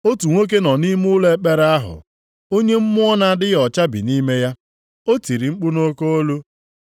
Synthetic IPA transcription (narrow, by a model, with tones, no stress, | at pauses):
o˦tu˨ŋʷo˦k̬e˦nɔ˨ni˦mʊ˦le˦k͡pe˦ɾa˦ɦʊ̰˨ | o˦ɲe˦m̩˦mʊ˦ɔ˦na˦dɪ˦jɔ˨t͡ʃa˦bḭ˨ni˦me˦ja˦ | o˦ti˨ɾi˨ŋ͡m̩˦k͡pʊ˦no˦ko˦o˦lo˦